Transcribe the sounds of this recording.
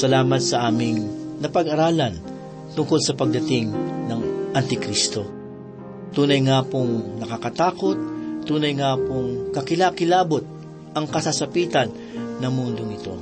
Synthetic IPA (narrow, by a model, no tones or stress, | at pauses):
sɐlaːmɐt̪̚sɐʔaːmɪŋ | nɐpɐɡɐɾaːlɐn | t̪ʊŋko̞lsɐpɐɡ̚d̪ɐt̪ɪŋnɐŋʔɐnt̪ɪkɾist̪o̞ | t̪uːnɐjŋaːpoŋnɐkakɐt̪aːko̞t̪̚t̪ːuːnɐjŋaːpoŋkɐkɪlakɪlaːbo̞t̪̚ | ʔɐŋkɐsasɐpiːt̪ɐnː | ɐmund̪oŋɪt̪o̞̰